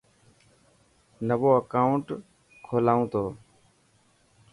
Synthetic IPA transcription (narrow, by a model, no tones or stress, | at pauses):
nəʋoːəkaːʊɳʈ | kʰoːlaːũːt̪ʰoː